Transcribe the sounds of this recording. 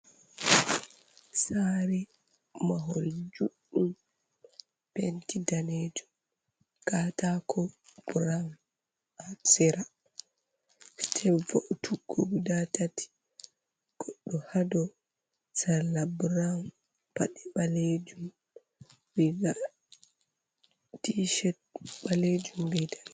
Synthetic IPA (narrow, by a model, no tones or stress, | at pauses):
saɾi | maɦoɾid͡ʒuɗːum | pentidaned͡ʒum | kaːtakʰɔb̥uɾam | asɛɾa | tʰɛvoʔutʰuɡobudatatʰi̥ | ɡ̥ɔɗːɔhadɔ | salabuɾam | pa̰ɗɛɓaled͡ʒum | wiɡa | diʃɛt̚ɓaled͡ʒumbidal